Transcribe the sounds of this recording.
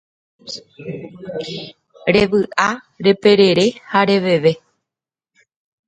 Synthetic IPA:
ɾe̞ʋɨʔa | ɾe̞pe̞ɾe̞ɾe̞haɾe̞ʋe̞ʋe̞

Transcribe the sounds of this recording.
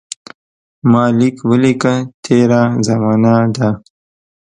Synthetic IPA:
mɑːlikwəlikat̪ʰeːɾazɐmɑːnad̪a

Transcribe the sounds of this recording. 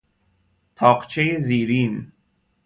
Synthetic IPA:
t̪ʰɒːqt͡ʃʰejeziːɾiːn

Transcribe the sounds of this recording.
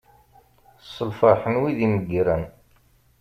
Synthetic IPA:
sˤəlfɑħənwiðiməɡːɾən

